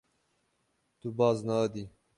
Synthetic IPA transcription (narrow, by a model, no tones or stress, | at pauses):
t̪ubɑːznaːd̪iː